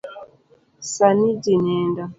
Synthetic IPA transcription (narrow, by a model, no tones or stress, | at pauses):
sanidinɛːnda